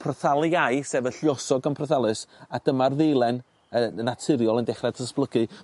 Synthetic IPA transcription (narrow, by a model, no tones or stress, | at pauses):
pʰrəθalˠajseːvəɬjɔsɔɡənpʰrəθalˠɨsad̥əmarðejlˠɛn | ənatʰɪɾjɔlˠəndɛχrɛd̥tʰəsplˠəɡɨ